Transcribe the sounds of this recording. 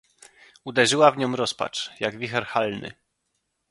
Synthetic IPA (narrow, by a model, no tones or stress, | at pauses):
ud̪ɛʐɘwavɲɔmɾɔspa̰t͡ʂjaɡvʲixɛɾxalnɘ̰